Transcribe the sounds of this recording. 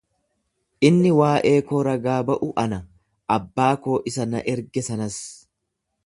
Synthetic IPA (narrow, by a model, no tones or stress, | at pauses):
ʔɪnːɪwaːʔe̞ːkoːɾɐɡaːbɐʔʊʔɐnɐ | ʔɐbːaːko̞ːʔɪsɐnɐʔɛɾɡɛsɐnɐs